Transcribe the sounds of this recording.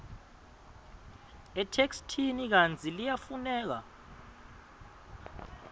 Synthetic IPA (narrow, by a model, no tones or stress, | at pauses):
ɛtʰekstʰinik̬ant͡sʰʼilijafunɛːk̬a̰